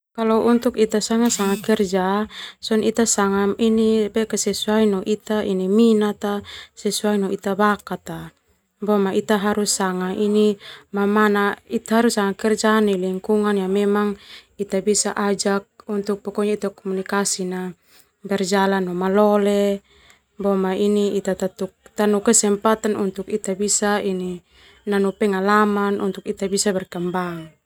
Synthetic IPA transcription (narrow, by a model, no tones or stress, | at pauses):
kalɔʔunt̪ukit̪asaŋasaŋakɛrd͡ʒasɔnit̪asaŋainipɛkasɛsuainɔʔit̪aʔiniminat̪asɛsuainɔʔit̪abakat̪a | bɔmaʔit̪aɦaɾusaŋaʔinimamanait̪aɦaɾusaŋakɛrd͡ʒaniliŋkuŋanjamɛmaŋit̪abisa̰ʔad͡ʒak̚unt̪uk̚pɔkɔɲait̪akɔmunikasina | bɛrd͡ʒalanɔmalɔle | bɔmainiit̪at̪at̪uk̚t̪anukɛsɛmpat̪anunt̪ukit̪abisaini | nanupɛŋalamanʔunt̪ukit̪abisabɛrkambaŋ